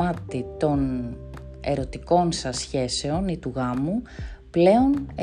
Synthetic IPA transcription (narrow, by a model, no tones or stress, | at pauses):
ɐt̪it̪o̞n | e̞̰ɾo̞t̪iko̞nsɐsçe̞se̞o̞nit̪uɣɐmuple̞o̞ne